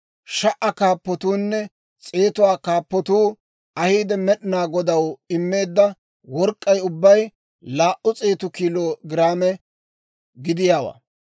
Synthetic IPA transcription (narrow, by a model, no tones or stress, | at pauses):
ʃɐʔɐkaːpːɔt̪uːnːɛ | t͡sʼeːt̪ʊwaːkaːpːɔt̪uː | ɐhiːd̪ɛmɛɗɪnaːɡɔd̪ɐwɪmːe̞ːd̪ːɐ | wɔɾkʼːɐjʊbːɐj | laːʔʊt͡sʼe̞ːt̪ʊkiːloːɡɪɾaːmɛ | ɡɪd̪ɪjaːwa̰ː